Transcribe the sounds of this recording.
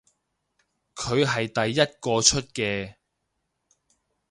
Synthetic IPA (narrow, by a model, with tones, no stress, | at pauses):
kʰɵ˨˧ɥɦɐ˨jt̪ɐ˨jːɐ˥t̚kɔː˧t͡ʃʰɵ˥t̚kɛː˧